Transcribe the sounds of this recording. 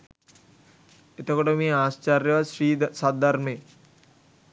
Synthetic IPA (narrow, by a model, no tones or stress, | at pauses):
et̪əkoʈəmeaːst͡ʃarjəʋaʃɾiːd̪sad̪ʱaɾme